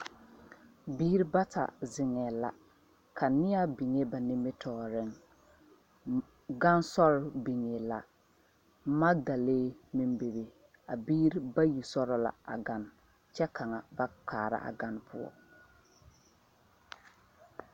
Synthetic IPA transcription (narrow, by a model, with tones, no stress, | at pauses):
biː˦ɾi˦ba˦ta̰˨zɪ˨ŋɛː˨la̰˨ | kʰa˨nɪ˦a˦bi˨ŋe˦ba˨ni˦mɪ˦tʰɔː˦˨ɾɪ˦ŋ | ɡa˦nsɔ˦ɾbi˨ŋe˨la̰˨ | ma˦da˨leː˦mi˦mbe˨be˨ | a˨biː˦ɾi˦ba˦ji˨sɔ˦ɾɔ˨la̰˨a̰˨ɡa˨n | t͡ʃɛ˦kʰa˨ŋa˨ba˦k͡pʰaː˨ɾa̰˦ʔa̰˨ɡa˦npʰʊ̰˦ɔ̰˦